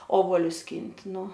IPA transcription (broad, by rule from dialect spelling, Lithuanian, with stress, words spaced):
ˈoːboːlʲʊs ˈsʲkʲiːnʲtʲ ˈnʊ